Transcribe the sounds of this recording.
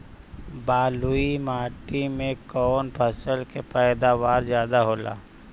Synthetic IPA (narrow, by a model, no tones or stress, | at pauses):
baːluimaːʈimẽkɔːnpʰəsəlkepɛːd̪aʋaːɾzjaːd̪aɦoːla̰ː